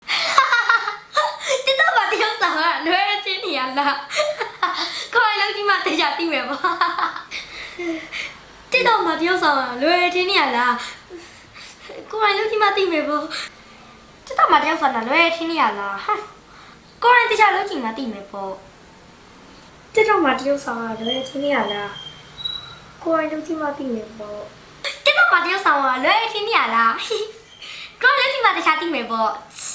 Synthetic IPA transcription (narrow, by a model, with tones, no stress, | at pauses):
t̪ɪ˦t̪a˦˨ma˨t̪ə˨jo˦ʊʔsã˨ʊ̃ŋa˦˨lwɛ˨ɛ˨tʰɪ̃˦ne˨ja˨la˦˨ | ko˨ɹã˨ɪ̃lo˦ʊʔt͡ɕi˦ma˦˨t̪ɪ˨t͡ɕʰa˨t̪ḭ˦˨mɛ˨bɔ˨ | t̪ɪ˦˨t̪ɔ˦˨ma˨t̪ə˦jo˦ʔsʰã˨ʊ̃ŋa˨lwɛ˨ɛ˨tʰɪ̃˦nɪ˦˨a˨la˨ | ko˨ɹã˨ɪ̃lo˦ʊʔt͡ɕi˦ma˦˨t̪ḭ˦˨mɛ˨bɔ˦ | t̪ɪ˦t̪ːɔ˦˨ma˨tə˦jo˦ʔsã˨na˨lwɛ˨˦ɛ˨tʰɪ̃˦nɪ˦ja˨la˨˦ | ko˨ɹã˨ɪ̃t̪ɪ˨t͡ɕʰa˨lo˦t͡ɕʰĩ˨ma˨t̪ḭ˦˨mɛ˨pɔ˦˨ | t̪ɪ˦t̪ɔ˦˨ma˨tə˨jo˦ʊʔsã˨ʊ̃ŋa˨lwɛ˨˦ɛ˨tʰɪ̃˦nɪ˦˨ja˨la˨ | ko˨ɹã˨ɪ̃lo˦˨t͡ɕi˦˨ma˦˨t̪ḭ˦˨mɛ˨pɔ˦˨ | k̪ɪ˦t̪ɔ˦˨ma˨təjo˦ʊʔsʰã˨ʊ̃a˨lwɛ˨˦ɛ˨tʰɪ̃˦nɪ˦ja˨la˦ | ko˨ã˨ɪ̃˨lo˦t͡ɕʰĩ˨ma˨t̪ə˨t͡ɕʰa˨t̪ḭ˦˨mɛ˨pɔ˦˨